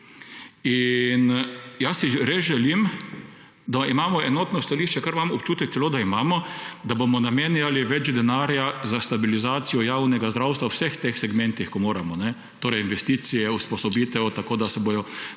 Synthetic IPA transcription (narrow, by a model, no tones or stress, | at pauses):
injasiɾezʒɛlim | d̪aimaːmɔɛnɔːt̪nɔst̪aliːʃt͡ʃɛkaɾʋamɔpt͡ʃuːt̪ɛkt̪sɛloːd̪aimaːmɔd̪abomɔnamenjaliʋɛt͡ʃd̪ɛnaːɾjazast̪abilizaːt̪sijɔjaːwnɛɡazd̪ɾawst̪ʋawsɛxt̪exsɛɡmɛ̃nt̪ixkɔmoːɾamɔnɛ | t̪oːɾɛjinʋɛst̪iːsijɛuspɔsɔbiːt̪ɛwt̪akoːd̪asɛboːjɔ